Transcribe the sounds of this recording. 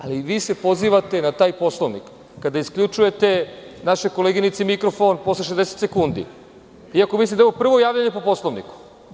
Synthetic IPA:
a̰liʋiːse̞po̞ziːʋat̪e̞nat̪aːjpo̞slˠoʋnikː | ad̪aiskʎut͡ʃuje̞t̪e̞naʃeko̞leɡinit̪semikɾo̞fo̞npo̞sleʃ̬ezd̪eset̪se̞kund̪ḭ | iako̞mislimd̪aeʋopr̩ʋo̞jaːʋʎaɲe̞popo̞slˠo̞ʋnḭku̥

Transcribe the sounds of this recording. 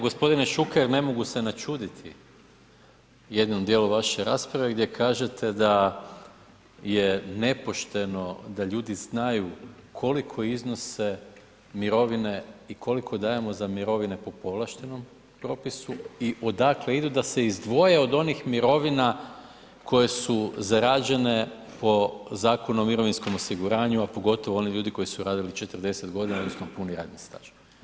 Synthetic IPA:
ɡo̞spo̞d̪ineʃukeɾne̞mo̞ɡuse̞nat͡ʃuːd̪it̪ʰḭ | jed̪nomd̪jeːlˠuʋaʃe̞ɾaːspɾaʋe̞ɡd̪jekʰaːʒe̞t̪ʰe̞d̪a | jene̞po̞ʃt̪e̞no̞d̪aʎuːd̪iznajukʰo̞likʰo̞izno̞se | miɾo̞ʋineikʰo̞likʰo̞d̪aːje̞mo̞zamiɾo̞ʋine̞po̞po̞ʋlˠaʃt̪e̞no̞m | pɾo̞pisuiʔo̞d̪akle̞id̪ud̪ase̞izd̪ʋo̞je̞o̞d̪o̞nixmiɾo̞ʋina | kʰo̞je̞suzaɾaːd͡ʑe̞ne̞ | po̞zaːko̞nomːiɾo̞ʋinsko̞mo̞siɡuɾaːɲuapo̞ɡo̞t̪o̞ʋo̞o̞niʎuːd̪iko̞jisuɾaːd̪ilit͡ʃe̞t̪rd̪e̞set̪ɡo̞d̪inaod̪nosnopuniɾa̰ːd̪nist̪a̰ːʒ

